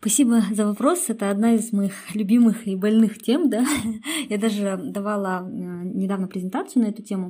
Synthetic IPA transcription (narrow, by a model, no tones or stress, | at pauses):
spɐsʲibəzəvɐpɾo̞sɛt̪əɐd̪naɪzmɐixlʲʊbʲimɨxibɐlʲnɨxtʲe̞md̪ajad̪aʐɨd̪ɐvalˠənʲɪd̪avnəpɾʲɪzʲɪnt̪at̪sɨʊnɐɛt̪ʊtʲemʊ